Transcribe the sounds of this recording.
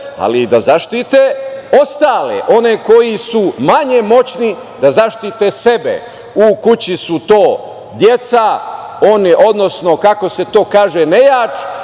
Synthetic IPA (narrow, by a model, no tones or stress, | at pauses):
a̰lid̪azaʃt̪it̪eo̞st̪aːleʔo̞neko̞jisumaɲe̞mo̞t͡ɕni | d̪azaʃt̪it̪e̞se̞bḛ | ukut͡ɕisut̪o̞ː | d̪jet̪sa | oneʔo̞d̪no̞sno̞kako̞se̞t̪o̞ːkaːʒenejaːt͡ʃ